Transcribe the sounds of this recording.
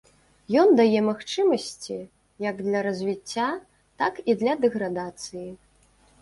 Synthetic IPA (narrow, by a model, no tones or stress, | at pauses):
jɔnd̪ajɛmaxt͡ʂɨmɐsʲt͡sʲi | jɐɡd̪lʲɐɾɐzʲvʲit͡sʲːa | t̪akid̪lʲɐd̪ɛɣɾad̪at̪sɨji